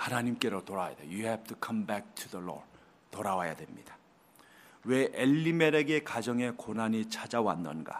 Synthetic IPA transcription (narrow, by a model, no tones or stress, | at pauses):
hanaɲimk͈e̞ɾotoɾawja̰d̪ḛjuhɛftʰukʰʌmbɛk̚tʰuðəlɔ̰ | toɾawaja̰dwe̞mɲid̥ḁ | we̞ʔeʎːime̞ɾe̞ɡe̞kad͡ʑʌŋe̞konaɲit͡ɕʰad͡ʑawanːʌnɡa̰